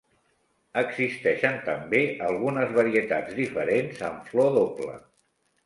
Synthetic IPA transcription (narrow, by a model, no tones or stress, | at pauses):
əɡzist̪ɛʃənt̪əmbeəlˠɣunəzβəɾiət̪ad͡zðifəɾenzə̰ɱflɔðoplə̰